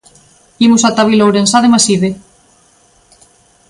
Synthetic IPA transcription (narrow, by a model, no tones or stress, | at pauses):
imusat̪aβilowɾensaðemasiðe